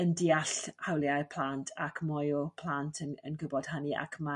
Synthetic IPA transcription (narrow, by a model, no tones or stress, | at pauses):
əndiaɬhawlˠjapʰl̥ˠantʰakʰmɔjʊpʰl̥ˠantʰənə̰nɡʊbɔd̥hania̰kʰma